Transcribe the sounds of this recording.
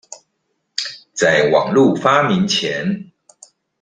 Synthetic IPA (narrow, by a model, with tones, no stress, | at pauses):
t͡sa˥˩ɪwɑ̰˨˩ŋlu˥˨fa˥mi˧˦nt͡ɕʰjɛ˧˦n